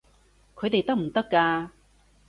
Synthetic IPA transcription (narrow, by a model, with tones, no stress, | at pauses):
kʰɵ˨˧jt̪e˨jt̪ɐ˥k̚m̩˨˩t̪ɐ˥kːaː˧